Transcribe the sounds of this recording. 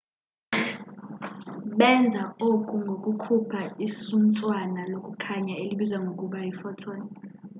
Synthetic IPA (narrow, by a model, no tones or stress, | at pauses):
ɓɛnd͡zʱaokʼuŋɡʱokʼukʰupʰaisunt͡sʼwanalokʼukʰaɲaeliɓizwaŋɡʱokʼuɓajifɔtʰɔːnɛ